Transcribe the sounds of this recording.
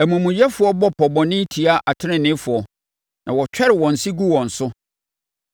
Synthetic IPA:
æ˨mũ˨mũ˨jɛ˦fʊ˨˦ɔ˦bɔ˦pʰɔ˨bɔ̃˨nɪ̃˦tʰi˨a˦ʔa˨tʰɪ˦nɪ̃˦nɪ̃˦fʊ˨ɔ˨ | nʔã˨wɔ˨t͡ɕᶣɛ˦ɾɪ˨wɔ̃˨n̩˨si˦ɡu˦wɔ̃˨n̩˨sʊ˦

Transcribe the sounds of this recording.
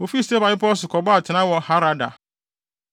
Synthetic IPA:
o˨fi˦ste˦ba˨jɪ˦pɔ˦s̬ʊ˨kɔ˨ba˦a˨tʰɪ˨nã˦wɔ˨ha˦ɾa˨da̰˨

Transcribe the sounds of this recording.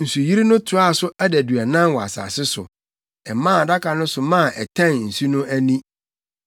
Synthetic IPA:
n̩˨su˨ji˦ɾi˦nʊ̃˦tʰʊ˨˦a˦˨sʊ˦æ˦dæ˨dɥæ˨nã˦nwɔ˨a̰˨sa̰ː˨sɪ˦sʊ̰˨ | ɛ˨mã˦˨da˦kʰa˨nʊ̃˦sʊ˨mã˦˨ʔɛ˨tʰã˦˨n˨n̩˨su˦nʊ̃˦ʔæ˦nĩ˦

